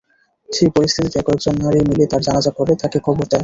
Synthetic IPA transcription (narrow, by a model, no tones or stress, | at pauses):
ʃipoɾist̪ʰit̪it̪ɛkɔek̚d͡ʑonːaɾimilet̪aɾd͡ʑanad͡ʑakoɾet̪akekʰɔboɾd̪ae